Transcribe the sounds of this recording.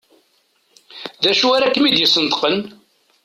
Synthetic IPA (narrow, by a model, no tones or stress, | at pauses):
ðæʃuaɾækːmid̪jəsːənt̪ə̥qən